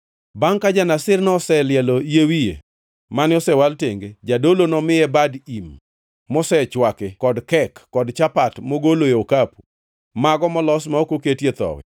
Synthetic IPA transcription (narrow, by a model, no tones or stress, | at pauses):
baŋkad͡ʒanasɪrnɔsɛlɪɛlojewijḛ | manɪɔsɛwalteŋɡed͡ʒadolonɔmɪɛbadimː | ɔsɛt͡ʃwakɪkːɔdkɛkːɔdt͡ʃapatmoɡolojeokapu | maɡɔmɔlɔsmaokoketjet̪ɔ̰wɛ̰